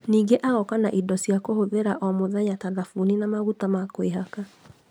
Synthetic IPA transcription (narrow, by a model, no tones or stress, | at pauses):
niɡeʔaɣɔkanaʔidɔsiakohoðeɾaʔɔmoðaɲataðafuninamaɣutamakweɦaka